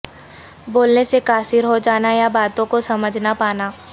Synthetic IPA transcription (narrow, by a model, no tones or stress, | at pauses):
boːlnesekaːsɪɾɦod͡ʒaːnajabaːt̪õkosɐməd͡ʒʱnapaːnaː